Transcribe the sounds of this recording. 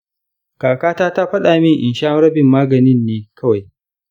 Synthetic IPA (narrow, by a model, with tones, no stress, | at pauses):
kaː˨kaː˦taː˦ta˦ɸɐ˦ɗa˨mɪ˦ŋʔɪ˨nʃaː˦ŋɽɐ˦bɪ˨mːaː˦ɡɐ˨nɪ˦nːeː˦kʰɐ˦wa˨j